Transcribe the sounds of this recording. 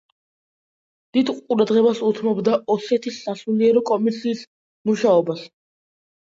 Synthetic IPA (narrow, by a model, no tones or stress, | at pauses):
d̪̥id̪qʼuɾad̪ʁɛbasut̪ʰmɔbd̪aʔɔsɛt̪ʰisːasuliɛɾɔkʼɔmisiːs | muʃaɔbas